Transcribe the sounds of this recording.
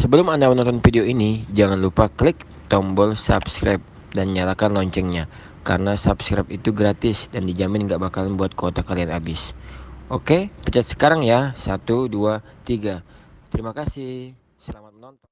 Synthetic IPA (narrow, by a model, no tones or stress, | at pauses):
səbəlʊmandamənɔnt̪ɔnfideoinid͡ʒaŋanlupaklɪk̚ | t̪ɔmbɔlsa̰bskɾap̚ | danɲalakanlɔɲt͡ʃɛŋɲa | ka̰ɾənasapskɾa̰p̚it̪uɡɾat̪ɪsdandid͡ʒamɪnŋɡaʔbakalnbuat̪̚kot̪akalianabɪsʔokepət͡ʃat̪̚sə̥kaɾaŋjasat̪uduat̪iɡat̪əɾimakasɪh | səlamat̪̚mənɔnt̪ɔ